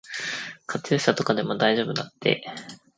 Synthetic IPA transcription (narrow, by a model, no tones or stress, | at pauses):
kʰat͡soɕat̪o̞kad̪e̞mo̞d̪aiʑo̞ːbɯ̟nat̪ːe̞̰